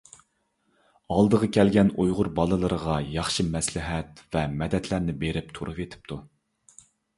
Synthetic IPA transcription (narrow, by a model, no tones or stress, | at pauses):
ɑlˠd̪əʁəkʲɛlɡʲɛnujʁʊɾbɑlˠɨlˠɨɾəʁɑjɑχʃɨmɛslɪɦɛt̪vɛmɛd̪ɛt̪ʰlæɾnɪbeɾɪp̚t̪ʰoɾʔupet̪ʰɪ̥p̚t̪ʰu